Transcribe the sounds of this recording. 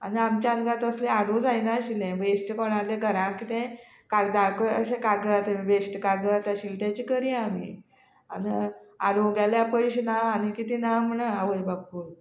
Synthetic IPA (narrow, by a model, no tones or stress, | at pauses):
a̰niamt͡ɕjaənɡãt̪əslẽaɽũd͡zajnaəɕilẽʋesʈkoɽ̃alẽɡəɾãkit̪ɛ̃ | kaɡd̪akəə̰ɕẽkaɡəat̪ẽʋesʈkaɡəat̪jaɕilʈjat͡ɕiːkəɾiamḭː | a̰nia̰ɽũɡaljapəjɕnaanikit̪inam̤əɳ̃əaʋəjbapːuːɾ